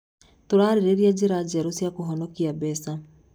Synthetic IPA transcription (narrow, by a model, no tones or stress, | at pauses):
toɾaːɾeɾeɾiad͡ʑeɾad͡ʑɛɾosjakoɦɔnɔkiabɛsa